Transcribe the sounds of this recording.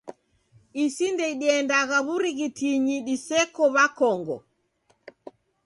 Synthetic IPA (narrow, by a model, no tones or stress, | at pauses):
isindɛiɗiɛndaɣaβuɾiɣitiɲiɗisɛkɔβakɔŋɡɔ̰